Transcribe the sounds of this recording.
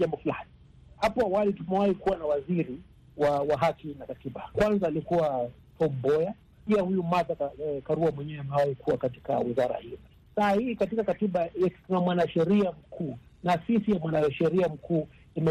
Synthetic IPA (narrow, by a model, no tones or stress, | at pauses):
ʄambɔfulani | hapɔawalitumɛwahikuwanawaziɾi | wawaɦakinakatiɓakwanzaːlikuwa | tɔmbɔja | piahujumaðakaɾuamwɛɲɛɛamɛwahikʰuwakati̥ka̰wizaɾa̰hili | saːahiːkatikakatiɓaatunamwanaʃɛɾiam̩kuː | nasisijamwanaʃɛɾiam̩kuː | imɛ